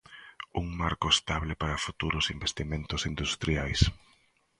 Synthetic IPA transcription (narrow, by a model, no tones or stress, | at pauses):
uŋmaɾkʊest̪aβlɪpaɾɐfut̪uɾʊsimbest̪imẽnt̪ʊsind̪ust̪ɾiajs